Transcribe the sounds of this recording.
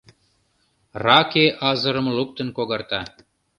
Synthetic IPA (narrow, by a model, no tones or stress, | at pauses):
rɑkeʔɑzə̆ɾə̆mluk̚t̪ə̆nkoɣɑrt̪ɑ